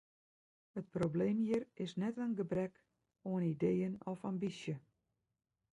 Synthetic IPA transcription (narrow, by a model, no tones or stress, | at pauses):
ət̚probleːmjɪrɪsnɛtənɡəbrɛk | oənidejənɔfambisjə